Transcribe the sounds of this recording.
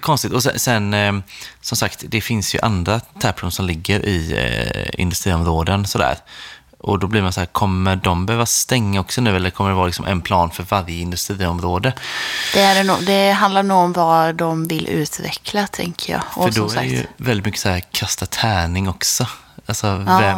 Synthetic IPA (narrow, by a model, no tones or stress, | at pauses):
kʰɔnst̪ɪk̚t̪ɔsɛ̰sɛn | sɔmsakt̪d̪ɛfɪnsjɵ̰ʔa̰nd̪ɾat̪ʰæːɾpʰlunsɔmlɪɡːəɾʔɪ | ɪ̰nd̪ɵst̪ɾiːɔmɾoːd̪ənsɔd̪æ̰ːɾ | ʔɔ̰d̪ɔbliɾmansɔhæːɾkʰɔmːəɖɔmbəhøːvast̪ɛŋːaɔksɔnʉ̟ːɛlːəɾkʰɔmːəɖɛvɑːɾlɪksɔmɛ̰npʰlɑːnfœɾvaɾjəɪnd̪ɵst̪ɾiːɔmɾoːd̪əd̪̥ɛæɖɛnṵːd̪ɛɦand̪aɾnuːɡɔmvad̪ɔmvɪlʔʉ̟ːt̪vɛ̰kʰlat̪ʰɛ̰ŋkʰəɾjɑ̰ːɔfœɖɔsɾa̰kɛjɵ̰vɛlːɪt̪mʏkːə̥sæːɾkʰast̪at̪ʰæːɳɪŋɔksɔ | alsɔvɛ